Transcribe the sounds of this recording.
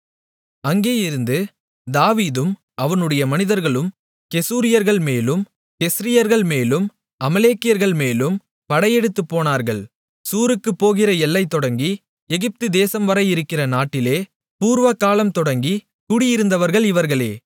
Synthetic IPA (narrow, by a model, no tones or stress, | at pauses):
ɐŋɡeːjɪɾɯnd̪ɯ | d̪aːʋiːðɯm | ɐʋɐnɯɽɐjɐmɐnɪðɐɾɣɐɭɯm | kɛsuːɾɪjɐɾɣɐɭmeːlɯm | kɛsɾɪjɐɾɣɐɭmeːlɯm | ɐmɐleːkːɪjɐɾɣɐɭmeːlɯm | pɐɽɐjɛɽɯt̪ːɯpːoːnaːɾɣɐɭ | suːɾɯkːɯpːoːɣɪrɐɛlːɐɪt̪ːɔɽɐŋɡi | ɛɣɪp̚t̪ɯd̪eːsɐmʋɐɾɐjɪɾɯkːɪrɐnaːʈːɪleː | puːɾʋɐkːaːlɐmt̪ɔɽɐŋɡi | kʊɽɪjɪɾɯnd̪ɐʋɐɾɣɐɭɪʋɐɾɣɐɭeː